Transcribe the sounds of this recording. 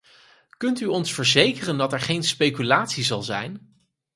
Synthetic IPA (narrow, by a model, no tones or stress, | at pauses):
kɵntyɔnsfəɹzejkərəndɑtɛɹχejnspejkylaːtsizɑlˠzɛjn